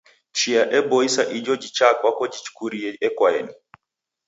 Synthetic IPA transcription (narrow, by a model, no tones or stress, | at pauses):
t͡ʃiaʔɛbɔisaʔid͡ʒɔd͡ʒit͡ʃakwakɔd͡ʒit͡ʃu̥kuɾiɛɛkwaɛni